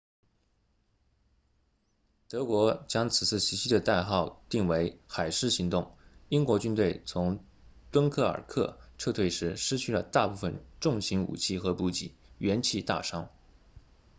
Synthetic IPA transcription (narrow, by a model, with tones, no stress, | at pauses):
t̪ɤ˧˥kwɔ˧˥t͡ɕjɑ˥ŋt͡sʰɹ̩˨˩t͡sʰɹ̩˥˩ɕi˧˥ɕi˥d̪ə˨t̪a˥˧ɪxɑ˥˧ʊt̪i˥˩ŋwe˧˥ɪxa˨˩ɪʂɻ̩˥˩ɕi˧˥ŋt̪ʊ˥˩ŋi˥ŋkwɔ˧˥t͡ɕy˥nt̪we˥˩ɪt͡sʰʊ˧˥ŋ | t̪wə˥nkʰɤ˥˩ə̰˞˨˩kʰɤ̰˥˩ʈ͡ʂʰɤ˥˧t̪ʰwe˥˩ɪʂɻ̩˧˥ʂɻ̩˥t͡ɕʰy˥˩lə̰˩t̪a˥˧pu˥˩fə˨˩nʈ͡ʂʊ˥˩ŋɕi˧˥ŋṵ˨˩t͡ɕʰi˥˩xɤ˧˥pu˧˥t͡ɕḭ˨˩˦ɥɛ˧˥nt͡ɕʰi˥˧t̪a̰˥˩ʂɑ˥ŋ